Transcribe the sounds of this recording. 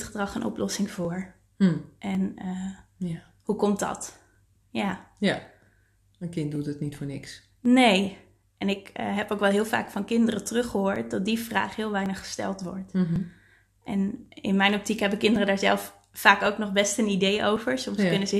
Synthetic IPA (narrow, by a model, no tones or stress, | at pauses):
tχədrɑχənʔɔ̰plʔɔsɪŋvʊːɹ | ʔɛnə | hukɔmtdɑ̰t | jaː | əkɪntdutətnitfʊːɹnɪks | nej | ʔɛnɪkːɦɛpowkʋɛlˠɦɪːlˠva̰ːkfɑnkɪndərətərɵχəɦoːɹt̚dɑt̚divra̰ːχɦɪːlˠʋɛjnəχə̥stɛ̰lˠtʋɔ̰ɹt | ʔɛnɪ̰nmɛjnɔp̚tikɦɛbəkɪndərədaːɹzɛlˠfː | aːkowknɔχbɛstənidejʔowvəɹsɔmskɵnəzə